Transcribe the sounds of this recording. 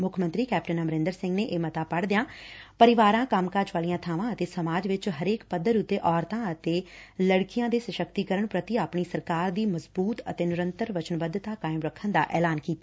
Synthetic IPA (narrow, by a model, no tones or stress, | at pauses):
mʊkʰmənt̪ɾiːkɛːpʈənəməɾɪ̃nd̪əɾsɪ̃ŋɡneːʔeːmət̪aːpəɽd̪ɪjãːpəɾɪʋaːɾãːkəmkaːd͡ʒʋaːlijãːt̪ʰaːʋãːət̪eːsəmaːd͡ʒʋɪt͡ʃɦəɾeːkpəd̪əɾʊt̪ːeːʔɔːɾt̪ãːət̪eːləɽkɪjãːd̪eːsəʃəkt̪iːkəɾəɳpɾət̪iaːpɳ̃iːsəɾkaːɾd̪iːməzbuːt̪ə̰t̪eːnɪɾənt̪əɾʋət͡ʃənbəd̪ːt̪aːkaːɪmɾəkʰːənd̪a̰ːʔɛːlaːnkiːt̪aː